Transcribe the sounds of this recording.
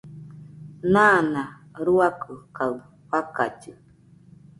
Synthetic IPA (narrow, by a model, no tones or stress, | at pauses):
nana | ɾuakɨkaɯ | ɸaka̰t͡ʃɨ